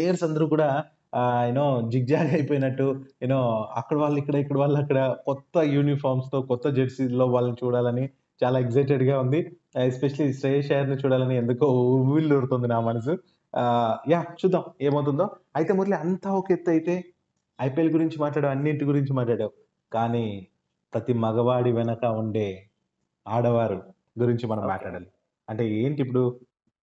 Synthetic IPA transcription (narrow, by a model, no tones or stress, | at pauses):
eːjɐɾsɐnd̪ɐɾukuːɽaː | jnoːd͡ʒiɡ̚d͡ʒaːɡɐjpoːjnɐʈːuenoːɐ̰kːɐɽɐʋaːɭːɐikːɐɽɐikːɐɽɐʋaːɭːɐɐkːɐɽɐkɔt̪ːɐjuːnipʰaːɾmst̪o̞ːkɔt̪ːɐd͡ʒeʈsilo̞ːʋaːɭːɐnit͡ʃuːɽaːlɐni | t͡ʃaːlaːeɡzɐjʈ̬eɖɡaːund̪i | espeʃɐlisʈɾeːʃeːjɐɾnit͡ʃuːɽaːlɐniend̪ukoːuʋild̪oɾut̪ond̪inaːmɐnɐs̬u | jaːt͡ʃuːd̪ːaːme̞ːmɐwt̪̬und̪o̞ːɐjit̪e̞ːmuɾliɐnt̪aːoket̪ːɐjit̪e̞ː | ɐjpelɡuɾiɲt͡ʃimaːʈ̬ɭaːɽaːʋɐnːiʈiɡuɾiɲt͡ʃimaːʈɭaːɽaːu | kaːniː | pɾɐt̪imɐɡɐʋaːɽiʋɛnɐkɐuɳɖe̞ː | aːɽɐʋaːɾu | ɡuɾiɲt͡ʃimɐnɐmɐmːa̰ːʈɭaːɽaːli | ɐɳʈe̞ːeːɳʈip̬ːuɽu